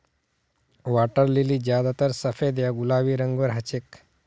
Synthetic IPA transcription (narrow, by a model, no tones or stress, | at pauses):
ʋaːʈəɾliliːd͡ʑjaːd̪at̪əɾsəfed̪jaɡulaːʋiːɾəŋɡʋəɾɦət͡ʃek